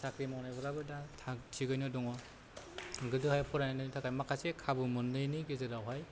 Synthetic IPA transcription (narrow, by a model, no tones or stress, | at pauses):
sakɾimawnajbɔɾabɯdatʰaktʰiɡɯjnɯdɔŋɔ | ɡɯdɯhajpʰɔɾajnanatʰakʰajmakʰasekʰabɯmɯndɯjnɯɡezɯɾawɦaj